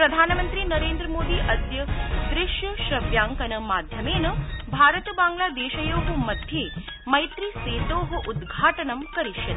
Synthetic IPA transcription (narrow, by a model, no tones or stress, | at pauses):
pɾɐd̪ʱaːnɐmɐnt̪ɾiːnɐɾeːnd̪ɾɐmoːd̪iːʔɐd̪jɐd̪ɾɪʃjuʃɾɐʋjaːŋkɐnɐmaːd̪ʱjɐmeːnɐbʱaːɾɐt̪baːŋɡlaːd̪eːʃɐjoːɦumɐd̪ʱje | mɐjt̪ɾiseːt̪oːɦuʔud̪ɡʱaːʈɐnɐmkɐɾiʃjɐ